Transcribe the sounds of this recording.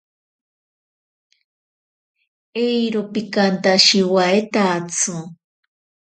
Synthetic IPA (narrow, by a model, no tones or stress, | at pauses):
ejɾopikant̪aʃiwaet̪at͡sʰu